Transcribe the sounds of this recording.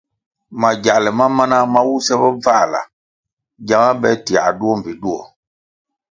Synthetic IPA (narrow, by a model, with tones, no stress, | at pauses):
ma˨ɟa˨lɛ˨ma˦ma˦na˦ma˦wu˦sɛ˦bɔ˦va˦˨la̰˨ | ɟa˨˦ŋa˦bɛ˦ti˨a̰˨du˦ɔ˦m̩˨pi˨ɗu˦ɔ̰˨